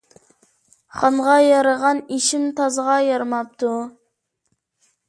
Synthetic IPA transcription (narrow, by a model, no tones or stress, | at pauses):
χɑnʁɑjɑɾɑʁɑniʃɪmt̪ʰɑzʁɑjɑɾmɑp̚t̪ʰu